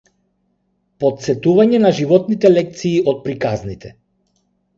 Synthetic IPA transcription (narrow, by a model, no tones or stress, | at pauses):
pɔt̪sɛt̪uvaɲɛnaʒivɔt̪nit̪ɛlɛk̚t̪siːʔɔt̪̚pɾikaznit̪ʰɛ